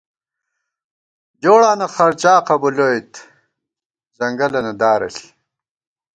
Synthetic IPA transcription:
d͡ʑoːɽaːnɐχɐɾt͡ɕaːqɐbuloːjt̪ | zɐŋɡɐlɐnɐd̪aːɾɐ̰ɬi̥

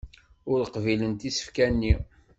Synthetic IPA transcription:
ʊɾəqvilənt̪isə̥fkænːi

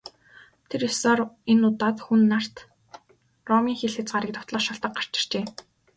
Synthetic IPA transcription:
t̪ʰeɾesɔːrenːʊt̪aːt̪xunːar̥t̪ | rɔmiːŋxeɮxɘ̆t͡sɢaɾə̆k̚t̪ʊt̪ɮə̆χʃɔɬt̪ə̆q̚ɢar̥t͡ɕɪ̆r̥t͡ɕeː

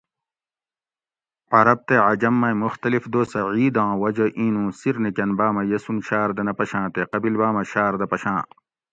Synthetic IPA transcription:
ɐɾɐb̚t̪eʕɐd͡ʑɐmːɐjmuxt̪ɐlifd̪oːsɐʕiːd̪ãːwɐd͡ʑɐʔĩːnũːsiɾnekʲɐnbaːmɐjɐsunɕaːɾd̪ɐnɐpɐɕãːt̪eqɐbilbaːmɐɕaːɾd̪ɐpɐɕãː

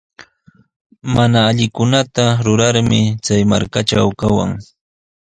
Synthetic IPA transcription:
manaːʎɪkʊnat̪aɾʊɾaɾmɪt͡sajma̰ɾkaʈ͡ʂawkawa̰ŋ

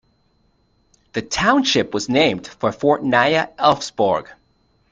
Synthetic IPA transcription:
ðɨtʰãʊ̃nʃɪpwʌznẽɪ̃md̥fə˞fɔɹʔnaɪɨʔɛlˠfsb̥ɔ̰ɹɡ̥

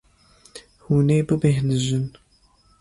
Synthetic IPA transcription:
huneːbɨbeɦnɨʒɪn

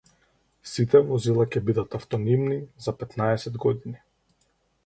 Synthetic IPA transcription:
sit̪ɛmɔzilˠacɛbid̪at̪aft̪ɔnimnizapɛt̪naɛsɛd̪ɡɔd̪ini

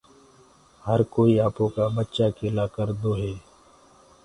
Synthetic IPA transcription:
həɾkoːiaːpõkabətːʃakelaːkəɾd̪oːɦeː

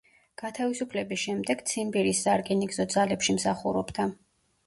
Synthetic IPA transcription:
ɡ̥at̪ʰavisupʰlɛbisʃɛmd̪ɛɡ̥t̪sʰimbiɾisːaɾkʼɛniɡzɔd̪zalɛpʃimsaχuɾɔbd̪a

